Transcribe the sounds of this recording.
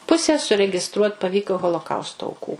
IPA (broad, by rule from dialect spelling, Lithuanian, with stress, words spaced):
ˈpʊsʲɛ sʊrʲɛɡʲɪˈstruɔtʲ pɐˈʋʲiːkoː ɣoːlˠoːˈkɐʊstoː ɐʊˈkuː